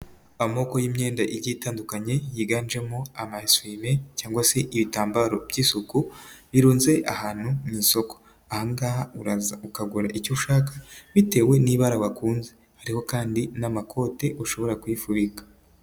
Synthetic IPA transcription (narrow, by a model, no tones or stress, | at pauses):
amo̞ko̞jiːmɲe̞ːndaʔiɾɟitaːndukaɲe̞jiɡaːnd͡ʒe̞moamaswimecaːŋɡwase̞ʔiβitaːmbaɾo̞bɟiːsukuβiɾuːnze̞ʔa̰haːn̥humiːso̞ko̥ | ahaŋɡa | ukaɡuɾaʔicuʃaːkḁβite̞we̞niβaɾawakuːnze | haɾiho̞kaːndinamakʰo̞ːte̞ʔuʃo̞βo̞ɾakwifuβikḁ